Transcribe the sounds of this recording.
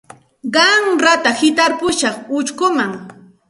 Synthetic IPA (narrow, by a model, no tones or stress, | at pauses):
ɢɑŋɾat̪ahɪt̪aɾpʊʃɑχʊt͡ʃkʊmaŋ